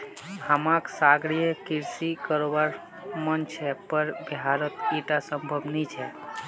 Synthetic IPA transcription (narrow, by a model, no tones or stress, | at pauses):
həmãksaɡɾijəkiɾsikəɾobaɾ | mənt͡ʃʰəpəɾbiɦaɾət̪iʈasəmbʱəbnit͡ʃʰɛ